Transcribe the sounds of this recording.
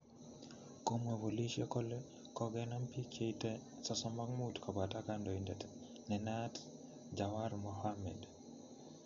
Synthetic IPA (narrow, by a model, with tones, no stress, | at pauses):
ko˦mwe˨vo˨li˦ʃe˦ko˦le˦ | kɔ˦ɡɛnɔ˦mpi˦kʰe˦tɛsa˨sɔ˦ma˦kmutkʰɔ˨ba˨ta˦kandɔ˨indɛt | nɛ˨nat | d͡ʒawaɾmɔhamɛ̰d